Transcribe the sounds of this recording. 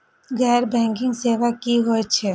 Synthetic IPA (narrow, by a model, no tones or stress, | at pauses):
ɣɛːɾbɛ̃ːŋkɪ̃ŋɡseːʋakiɦoet͡ʃʰe